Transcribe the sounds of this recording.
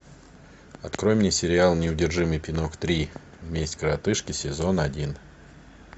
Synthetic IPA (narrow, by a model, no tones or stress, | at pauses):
ɐt̪kɾo̞jɪmnʲɪsʲɪɾʲɪalˠnʲɪʊdʲɪrʐɨmɨjpʲɪno̞kt̪ɾʲi | vmʲesʲtʲkəɾɐt̪ɨʂkʲɪsʲɪzo̞nɐdʲin